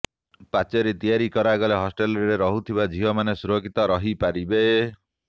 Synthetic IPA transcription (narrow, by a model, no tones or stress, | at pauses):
pat͡ʃɔɾet̪ijaɾikɔɾaɡɔleɦɔsʈelɾeɾeɾɔɦut̪ʰibad͡ʒʱiɦɔmanesuɾokʰit̪ɔɾɔɦipaɾibe